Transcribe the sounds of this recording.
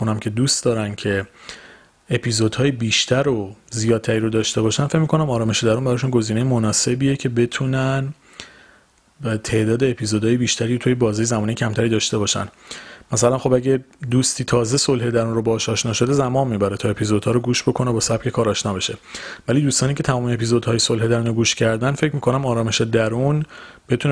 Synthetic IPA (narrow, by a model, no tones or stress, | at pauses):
unæmcʰe̞d̪uːst̪d̪ɒːɾæncʰe̞ | epʰizod̪hɒːjebiːʃt̪ʰæɾozijɒːd̪̚tʰæɾiːɾod̪ɒːʃt̪e̞bɒːʃænfecmikʰo̞næmɒːɾɒːme̞ʃed̪æɾunbæɾɒːʃunɡo̞ziːnejemonɒːse̞bijecʰe̞be̞t̪ʰuːnæn | t̪ʰe̞ʔd̪ɒːd̪eːpʰizod̪ɒːjebiːʃt̪ʰæɾiːot̪ʰuːjebɒːziːjezæmɒːnejcʰæmt̪ʰæɾiːd̪ɒːʃt̪e̞bɒːʃæ̰nmæsælænxo̞bæɟed̪uːst̪ʰiːt̪ʰɒːze̞so̞lhe̞d̪æɾunrobɒːʃɒːʃnɒːʃo̞d̪ezæmɒːmːiːbæɾet̪ʰɒːe̞pʰizod̪hɒːɾoɡuːʃbo̞kʰo̞nebɒːsæb̥̚cʰe̞kʰɒːɾɒːʃnɒːbe̞ʃe̞væliːd̪uːst̪ɒːniːcʰe̞t̪ʰæmɒːmeepizo̞d̪hɒːjeso̞lɦe̞d̪æɾuːnoɡuːʃcʰæɾd̪ænfe̞cʰmiːkʰo̞næmɒːɾɒːme̞ʃed̪æɾunb̥e̞t̪ʰun